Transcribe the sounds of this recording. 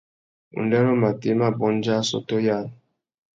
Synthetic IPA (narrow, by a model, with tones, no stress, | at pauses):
ṵ˨ndɛ˦ɾɔ˦ma˨te˦ma˦bɔ˨˦n˦d͡ʒa˦sɔ̰˦to˦ja˦˨l